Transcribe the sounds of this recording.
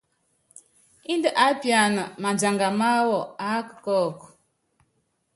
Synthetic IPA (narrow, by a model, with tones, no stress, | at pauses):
i˦ndə˦ʔa˨˦pja˨nə˨ma˨nd͡ʒa˨ŋɡa˨ma˦wɔ˨a˨˦kə̥˨kɔ˦˨k